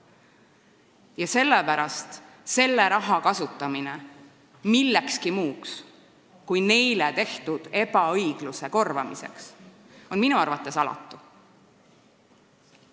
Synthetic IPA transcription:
jɑse̞lːepæɾɑst̪ | se̞lːeɾɑɦɑkɑsut̪ːˑɑmine | milːekskimuːks | kujne̞jlet̪e̞ht̪ud̪̥e̞bɑɤjɡ̥luse̞ko̞rvɑmise̞̰ks | o̞nminuɑrvɑt̪ˑːe̞sɑlɑ̰t̪ˑːu

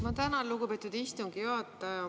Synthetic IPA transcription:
mɑt̪ænɑlːuɡupet̪ːˑud̪ist̪uŋɡ̥ijoɑt̪ːˑɑjɑ

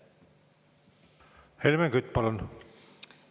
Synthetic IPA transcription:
helmeŋɡyt̪ːˑpɑlun

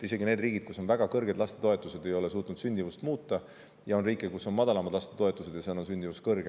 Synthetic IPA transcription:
t̪ːise̞ɡine̞ːd̪riːɡid̪̥kusːo̞nvæɡ̥ɑkɤrɡed̪lɑst̪e̞t̪o̞e̞t̪ːˑuse̞d̪e̞jo̞le̞s̬uːt̪ˑnud̪̥synʲd̪̥ʲivust̪muːt̪ːˑɑ | jɑo̞nriːkːˑekusːo̞nmɑd̪ɑlɑmɑd̪lɑst̪e̞t̪o̞e̞t̪ːˑuse̞d̪jɑseno̞nsynʲd̪ivuskɤrɡ̥e

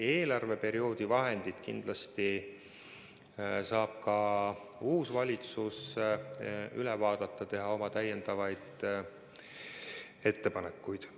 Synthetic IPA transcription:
e̞ːlɑrve̞pe̞ɾio̞ːd̪̥ivɑɦe̞nd̪̥id̪̥kind̪̥lɑst̪i | sɑːb̥̚kɑ | uːsvɑlʲit̪sus | ylɛvɑːd̪̥ɑt̪ˑːɑt̪e̞ɦɑo̞mɑt̪æjːend̪̥ɑvɑjd̪̥ | e̞t̪ːe̞pɑnekːujd̪̥

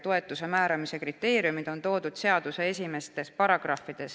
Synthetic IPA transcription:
t̪o̞e̞t̪ːˑuse̞mæːɾɑmise̞krit̪ːe̞ːɾijumid̪̥o̞nt̪o̞ːd̪ud̪̥se̞ɑd̪̥use̞es̬ʲime̞st̪e̞spɑɾɑɡ̥rɑfid̪̥e̞s

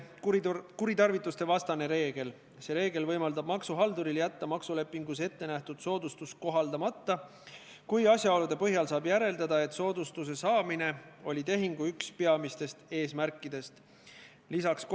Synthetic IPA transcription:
kuɾit̪ɑrvit̪ːˑust̪e̞vɑst̪ɑne̞ɾe̞ːɡ̥e̞l | se̞ɾe̞ːɡ̥e̞lvɤjmɑld̪ɑb̥mɑksuɦɑld̪uɾiljæt̪ːɑmɑksule̞pːˑiŋɡ̥use̞t̪ːe̞næht̪ud̪̥so̞ːd̪ust̪ust̪̚ko̞ɦɑld̪̥ɑmɑt̪ːɑ | kujɑsʲjɑo̞lud̪e̞pɤɦjɑlsɑːbjæɾe̞ld̪ɑd̪ɑe̞t̪ˑso̞ːd̪ust̪us̬e̞sɑːmine̞o̞lʲit̪e̞ɦiŋɡ̥uykspe̞ɑmist̪e̞st̪e̞ːsmærkˑːid̪e̞st̪ | lisɑksk

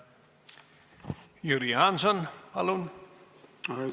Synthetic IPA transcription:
juɾiansɔnhalon

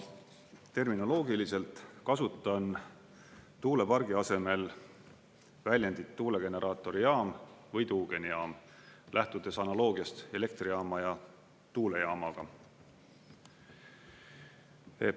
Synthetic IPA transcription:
t̪e̞rmino̞lo̞ːɡilise̞lt̪ˑkɑsut̪ˑːɑn | t̪uːle̞pɑrɡ̥iɑse̞me̞l | vælʲjænd̪̥it̪ːuːle̞ɡ̥e̞ne̞ɾʔɑːt̪ːˑo̞ɾijɑːmvɤjt̪uːɡ̥e̞nijɑːmlʔæht̪ud̪̥e̞sɑnɑlo̞ːɡ̥iɑst̪e̞le̞k̚t̪rijɑːmɑjɑ | t̪uːle̞jɑːmɑɡ̥ɑ | e

